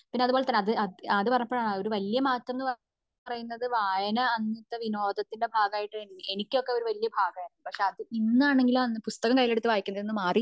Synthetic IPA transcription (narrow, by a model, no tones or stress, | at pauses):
pinːeɐðubo̞ːɭet̪ɐnːɐðɨɐɐðɨpɐɾɐɲɐpːoɭao̞ɾuʋɐljɐmaːt̪ːɐmnɨpɐ | pɐrɐjunːɐðɨʋaːjɐnɐɐnːit̪ːɐʋino̞ːd̪ɐt̪ːinde̞bʱaːɡɐaːjiʈːɨe̞nikʲːo̞kːeo̞ɾuʋɐlijɐbʱaːɡɐaːjɾunːupɐkʂe̞ɐðɨinːaːɳe̞ŋɡilumːpust̪ɐɣɐmkɐjileɽut̪ːɨʋaːjikʲːunːɐðenːɨmaːri